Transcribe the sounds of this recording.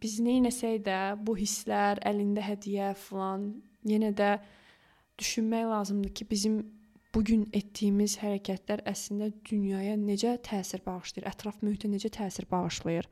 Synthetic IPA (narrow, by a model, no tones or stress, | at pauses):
b̥iznejnæsæjd̪æbuɦisːlæɾælind̪æɦæd̪ijæfilˠɑn | jenæd̪æ | d̪̥yʃynmæjlˠɑːzɯmd̪ɯcʰibizimb̥uɟynet̪ːijimizhæɾæcʰæt̪ʰlæɾæslind̪æd̪ynjɑːjɑne̞d͡ʒæt̪ʰæːsiɾbɑʁɯʃlˠɯɯɾʔæt̪ʰɾɑfmøhit̪ʰæne̞d͡ʒæt̪ʰæːsiɾbɑʁɯʃlˠɯjɯɾ